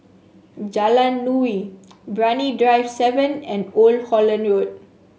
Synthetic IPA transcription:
d͡ʒalãnːuwibɹanidɹaɪvsɛvə̃nɛ̃nolhɔlə̃nɹod̚

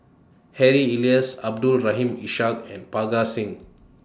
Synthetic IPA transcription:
hɛɹiiliəsab̚dulɹaɦĩmiʃak̚ɛ̃npaɡasĩŋ

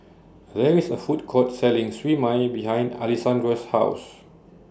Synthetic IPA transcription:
ðɛɹisəfut̚kʰɔt̚sɛlɪ̃ŋswimãjbiɦãj̃nda̰lisãndɹəsha̰ʊs

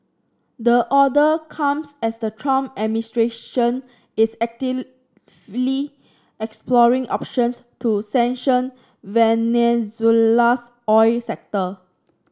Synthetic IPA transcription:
dəʔɔdəkʰãmsɛsdətʰɹɔ̃mɛministɹeʃə̃n | ɪsɛk̚tə | vli | ɛksplɔɹĩŋɔ̰pʃə̃ns | tusɛ̃nʃə̃n | vɛnɛzulas | ɔɪsɛk̚tə

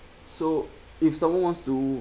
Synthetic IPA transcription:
so | ifsãmwãnwãnstu

